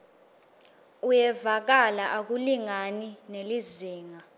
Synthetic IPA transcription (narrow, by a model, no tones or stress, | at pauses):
ujɛvak̬alaʔak̬uliŋanineliziːŋa